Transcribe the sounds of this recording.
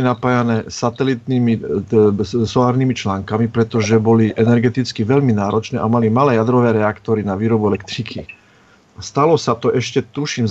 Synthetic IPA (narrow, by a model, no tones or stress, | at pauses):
inapaːjanɛːsat̪ɛlit̪niːmi | sɔlaːɾniːmit͡ʃlaːŋkamipɾɛt̪ɔʒɛbɔliʔɛnɛɾɡɛt̪it͡skiʋɛʎminaːɾɔt͡ʃnɛːʔamalimalɛːjad̪ɾɔʋɛːɾɛakt̪ɔɾinaʋiːɾɔbuɛlɛkt̪ɾikʰi | ast̪alɔsat̪ɔʔɛʃcɛt̪uʃimz